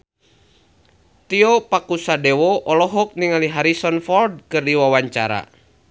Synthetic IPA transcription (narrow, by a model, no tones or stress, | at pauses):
t̪iɔpakusadɛwɔʔɔlɔɦɔk̚niŋaliɦaɾisɔnfɔld̚kɨrdiwawaɲt͡ʃa̰ɾa̰